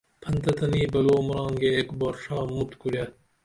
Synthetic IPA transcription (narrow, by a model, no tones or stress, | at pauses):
pʰɐnt̪ɐt̪ɐniːbɐloːmuɾɑ̃ːŋɡeːkboɾʂɑːmut̪kuɾjɐ